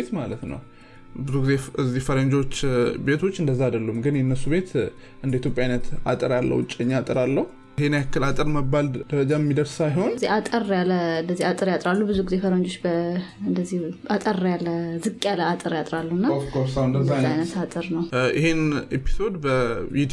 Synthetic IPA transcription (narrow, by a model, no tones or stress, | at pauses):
et̪malət̪nə̰w | bɨzuɡɨzeɨzːihfəɾəɲd͡ʒo̞t͡ʃːbe̞t̪ʰo̞t͡ʃːɨnd̪əzːaad̪əlːumɡɨnjɛnːəsuβe̞t̪ | ɨnd̪əit̪jo̞pʼjajnət̪a̰t̪ʼɨɾalːə̰wt͡ʃʼːɲːaat̪ʼɨɾalːəhu | henjakʰːɨlat̪ʼɨɾməbːald̪̥əɾəd͡ʒaɛmːid̪əɾssajho̞nzihat̪ʼərjaləɨnd̪əzːiat̪ʼɨɾjat̪ʼɾalːubɨzuɡɨze̞fəɾoɲd͡ʒot͡ʃːbəɨnd̪əzihat̪ʼərjalːəzɨkʼjaləat̪ʼɨɾjat̪ʼɾalːunːaoskosand̪əzaajnət̪at̪ʼɨɾnəwjɪ̰he̞nepʰi̥so̞d̪bəit̪